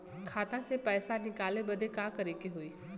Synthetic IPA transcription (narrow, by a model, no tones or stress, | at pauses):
kʰaːt̪ãsepɛːsanɪkaːlebɐd̪ʱekakɐɾekeɦoiː